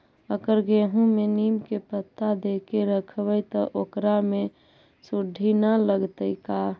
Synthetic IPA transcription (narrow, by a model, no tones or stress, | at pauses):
əɡəɾɡeɦũmenimkepət̪ːad̪ekeɾəkʰbəjt̪ɔʔokɾame | suɖʱinaləɡt̪əjka